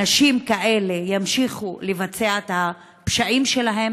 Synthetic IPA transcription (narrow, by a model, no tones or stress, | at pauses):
aʃimkaʔe̞le̞jamʃiχulevat͡seaet̪ha | pʃaʔimʃe̞laɦe̞m